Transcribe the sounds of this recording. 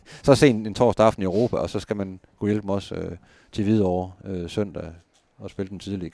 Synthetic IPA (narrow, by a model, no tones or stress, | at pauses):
sɒ̽se̝̰ːe̝nt͡sʰɒ̰ːsd̥ɑ̈fn̩iøʊʁo̝ːpʰæɒ̽sɒ̽sɡ̥æmænɡ̥ujelb̥emɒ̽sø | t͡sʰe̝ʋið̞ˠɒʊɐøsøn̰d̥æ | ɒ̽sb̥e̝ləd̥ent͡sʰiðˠliɡ